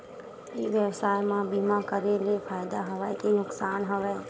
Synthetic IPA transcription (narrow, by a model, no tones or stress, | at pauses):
iːʋjəbsaːjmãbiːmãkəɾelefʰaːɪd̪aɦɐʋɛk̪inʊksaːnɦəʋɛː